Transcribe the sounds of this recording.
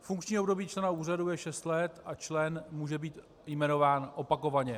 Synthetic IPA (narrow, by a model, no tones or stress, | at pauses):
fuŋkt͡ʃɲiːobdo̞biːt͡ʃlɛnauːr̝adujɛʃɛst̪lɛt̪at͡ʃlɛnmuːʒɛbiːt̪ | jmɛno̞vaːnʔopako̞vaɲɛ